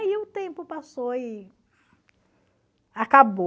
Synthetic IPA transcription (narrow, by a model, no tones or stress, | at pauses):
iʊt̪ẽpʊpasoɪ | akabo